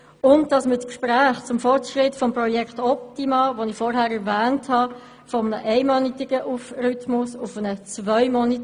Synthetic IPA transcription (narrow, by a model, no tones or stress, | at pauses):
ʊnt̚d̥ɑsmət͡skʃpɾæːχt͡sʊmfɔrtʃʁɪtfɔmprɔjɛktɔp̚timɑvonɪfɔɾhæːɾɛɾvæːnthɑ | fɔmənəʔɛɪmɔnitɪɡ̥əʔufrytmʊsʊfənət͡svœʏmɔnit